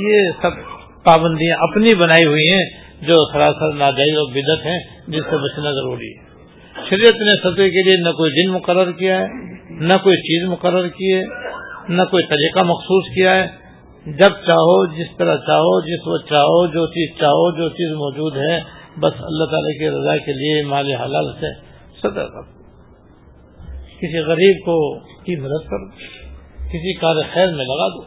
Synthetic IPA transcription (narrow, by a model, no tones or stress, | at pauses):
jesɐb | paːbə̃nd̪ijãʔɐpnibɐnaːiɦʊiɦɛ̃ | d͡ʒoːsɐɾasəɾnaːd͡ʒaːɪzɔːɾbɪd̪ət̪ɦɛ̃ | d͡ʒɪsːebɐt͡ʃnazɐɾuːɾḭɦɛ | ʃɐɾijət̪nesɐt̪kelienɐkoːid͡ʒ̪ɪnmʊqəɾːəɾkijaɦɛːnɐkoːit͡ʃiːzmʊqəɾːəɾkiɛːnɐkoːit̪ɐɾiːqamɐxsuːskijaɦɛː | d͡ʒɐb̚t͡ʃaːɦod͡ʒɪst̪ɐɾat͡ʃaːɦod͡ʒɪswɐt͡ʃaːɦod͡ʒoːt͡ʃiːzt͡ʃaːɦod͡ʒoːt͡ʃiːzmɔːd͡ʒuːd̪ɦɛbɐsɐ̰lːaɦt̪aːlakiɾɐzaːkeliemaːleɦɐlaːlse | sɐd̪ə̰ɾkɐ̰ɾ | kɪsiɣɐɾiːb̚kokimɐd̪əd̪̚kɐɾo | kɪsikaːɾexɛːɾmẽlɐɡaːd̪oː